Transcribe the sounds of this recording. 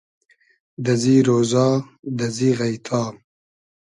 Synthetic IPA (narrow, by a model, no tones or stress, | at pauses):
d̪ɐziɾozɑːd̪ɐziɣɐjt̪ʰɑː